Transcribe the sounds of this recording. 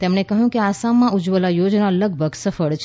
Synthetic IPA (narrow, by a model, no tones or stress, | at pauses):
t̪emɳekəɦjũkeasamːãud͡ʒʋəlajod͡ʒnaləɡ̚ʱbʱəɡsəfəɭt͡ʃʰ